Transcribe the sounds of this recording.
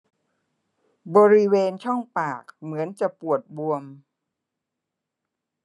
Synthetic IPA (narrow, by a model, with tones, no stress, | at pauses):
bɔː˧ɾi˦˥weː˧nt͡ɕʰɔ˥˩ŋpaː˨˩k̚mɯ˩˦ənt͡ɕa˨˩pu˨˩ət̪̚bu˧əm